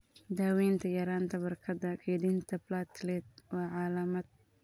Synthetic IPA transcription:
d̪aːwɛːnt̪ʰɐjɐɾaːnt̪ʰɐbɐrkʰɐd̪ɐkʰɛjd̪iːnt̪ʰɐblat̪lɛt̪̚wɑːʕɑːlɐmɐd̪̚

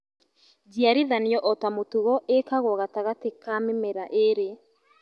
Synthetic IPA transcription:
d͡ʒiaɾiðanjɔʔɔtamotuɣɔʔekaɣɔɣataɣatekamemeɾaʔeɾe

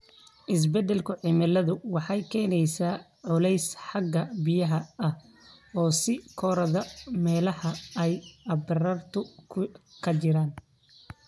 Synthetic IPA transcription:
ʔɪs̬bɛd̪ɛlkʰʊʕɪmɐlɐðʊwɑħɑjkʰɛːnɛjsaː | ʕʊlɛjsħɑɡːɐbɪjɐɦɐɐh | ɔːsɪkʰɔɾɐðɐmɛːlɐhɐɛjɐbɪrɐrt̪ʰʊkʰkʰɐt͡ʃɪɾaːn

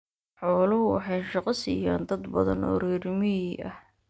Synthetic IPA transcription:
ħɔːlɐʊwɑ̰ħɑjʃɑqɑsḭja̰ːnd̪ɐd̪bɐðɐ̰nɔ̰ːɾɛːɾɪmɪiʔɐ̰h

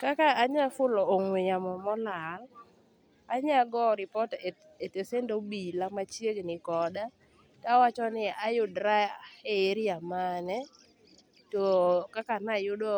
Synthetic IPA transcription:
kakaːɲafʊlɔːŋwejamɔmɔlal | aɲaɡɔɾɪpɔte | etesendobilamat͡ʃjeɡnɪkɔda | kawat͡ʃɔnɪajʊdɾaeeɾjamanɛ | tɔkakanajʊdo

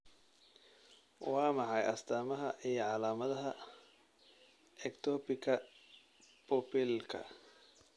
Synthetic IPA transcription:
wɑːmɑħɑjʔɐst̪ʰaːmɐɦɐʔijɞʕɑlaːmɐðɐɦɐ | ʔɛkt̪ʰɔːpɪkʰɐ | pʰɔpɪlkʰɐ̰

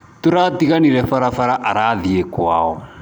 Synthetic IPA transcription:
tuɾatiɣaniɾɛfaɾafaɾaʔaɾaðiekwa̰ːɔ

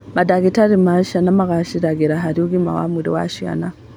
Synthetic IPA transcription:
madaɡitaɾimaʃanamaɣaʃiɾaɡiɾaɦaɾiuɡima̰wa̰miɾḭwa̰ʃia̰na

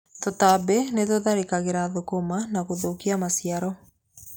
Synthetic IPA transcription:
totabenetoðaɾekaɣeɾaðokomanaɣoðokiamasiaɾɔ

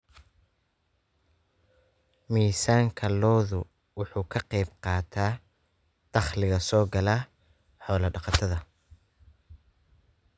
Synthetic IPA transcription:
miːsaːŋkʰɐlɔːðʊ | wʊħuːkʰɐqɛjbqɑːt̪ʰaː | d̪̥ɑχlɪɣɐsɔːɡɐlaː | ħɔːlɐɖɑqɑt̪ʰɐðɐ

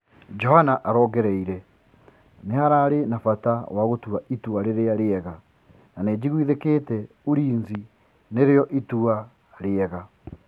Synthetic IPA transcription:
d͡ʒɔhanaʔaɾɔːɣɛɾɛiɾɛ | nehaɾaːɾenafatawaɣotuaituaɾeɾeaɾeɛɣa | naned͡ʑiɣwiðekeːtɛ | uɾiːnzi | neɾeɔʔitua | ɾeɛɣa

